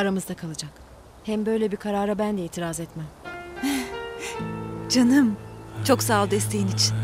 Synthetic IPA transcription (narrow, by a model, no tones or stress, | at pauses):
aɾamɯzd̪akʰalˠɯd͡ʒak | hɛmbø̞jlʲebikʰaɾaːɾabænd̪ɛiːt̪ʰiɾazɛt̪mɛm | d͡ʒanɯmt͡ʃʰo̞ksaːlˠd̪ɛst̪ʰejinit͡ʃʰin